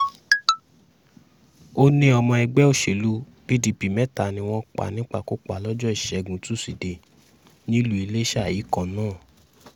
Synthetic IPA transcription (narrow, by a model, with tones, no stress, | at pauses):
o˦nĩ˦ɔ˧mɔ̃˧ɛ˧ɡ͡bɛ˦o˦˨ʃe˨lu˦ | b̥i˦di˧pi˨mɛ̃˦ta˨nĩ˧w̃ɔ̃˦k͡pa̰˨nĩ˦k͡pa̰˦˨ko˦k͡pa˨lɔ˦d͡ʒɔ˦i˦˨ʃɛ˨˧ɡũ˨tu˦˨si˨de˨ | nĩ˦lu˦i˧le˦ʃa˦˨jiː˨˦kɔ̃˨nãː˦˨